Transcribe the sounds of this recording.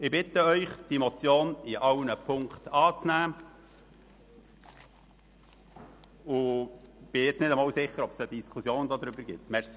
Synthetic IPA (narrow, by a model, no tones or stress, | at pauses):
ɪbɪt̪əœʏχd̥imɔt͡sjoːnɪʔɑwnəpʰʊŋkt̪ɑːt͡snæː | ʊb̥ɪjɛt͡snɪdəmɑːwsɪχːəɾɔpsəd̥̪iskʰusjoːnd̪oːd̪ɾʏbəɾɡɪt̪ːmɛɾsi